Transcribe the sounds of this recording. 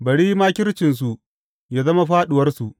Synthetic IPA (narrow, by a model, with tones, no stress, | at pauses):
bɐ˨ɽiː˦maː˦kʲɪ˦ɾt͡ʃɪ˨ns̬u˨ | jaː˦zɐ˦ma˦ɸaː˦ɗʊ˨wɐ˦rsu˨ʔ